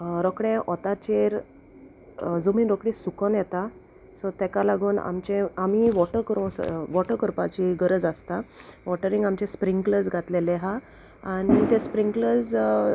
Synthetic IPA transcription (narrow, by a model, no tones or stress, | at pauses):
ɾɔkɽeɛ̃ʔɔt̪at͡ɕeɾ | d͡zum̤iːnɾɔkɽĩsukənjɛt̪a | sɔt̪ɛ̃kalaɡuːna̰mt͡ɕẽam̤iʋɔʈəɾkɾoʋɔʈəkəɾpat͡ɕiɡəɾəd͡zast̪aʋɔʈəɾiŋɡamt͡ɕespɾiŋɡkləd͡zɡʱat̪leleɦa | aɽ̃it̪ẽspɾiŋkləd͡z